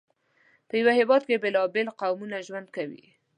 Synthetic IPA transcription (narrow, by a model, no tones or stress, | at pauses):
pəjawahɪwɑd̪kebɪlɑbɪlqawmunaʒwand̪̚kawḭ